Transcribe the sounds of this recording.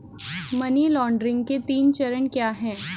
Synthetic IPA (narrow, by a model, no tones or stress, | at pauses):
mənilɔːɳɖɾɪ̃ŋɡket̪iːnt͡ɕəɾəɳkjaːɦɛ̃ː